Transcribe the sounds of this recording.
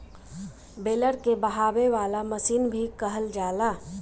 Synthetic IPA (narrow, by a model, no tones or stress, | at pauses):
beːləɾkebɐɦaːweʋaːlaməsiːnbʱikəɦəld͡ʒaːlaː